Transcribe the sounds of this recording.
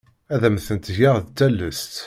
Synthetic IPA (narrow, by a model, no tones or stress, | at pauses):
æðæmθənt̪ʝaʁðt͡s̪ːælːəst̪